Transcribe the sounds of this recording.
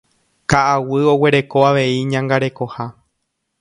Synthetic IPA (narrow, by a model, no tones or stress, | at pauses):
kaʔawɨo̞we̞ɾe̞ko̞aʋe̞iɲãŋɡaɾe̞ko̞ha